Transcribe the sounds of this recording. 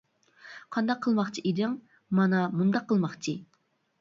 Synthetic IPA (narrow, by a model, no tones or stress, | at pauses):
qʰɑnd̪ɑqʰːəlˠmɑχt͡ʃʰiʔid̪ɪŋ | mɑnɑmund̪ɑqʰːəlˠmɑχt͡ʃʰɨ